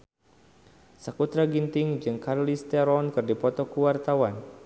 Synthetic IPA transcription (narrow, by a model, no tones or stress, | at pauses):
səkut̪ɾaɡint̪ɪŋd͡ʒɨŋkarlist̪ɛɾɔnkɨrdipɔt̪ɔkuwart̪awan